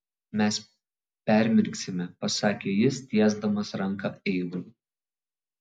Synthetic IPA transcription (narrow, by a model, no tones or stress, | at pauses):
mʲɛs | pʲæˑɾʲmʲɪɾʲksʲɪmʲɛpɐsɑːkʲeːjɪst̪ʲiɛzd̪ɐmɐsɾɐŋˑkɐɛɪɡuː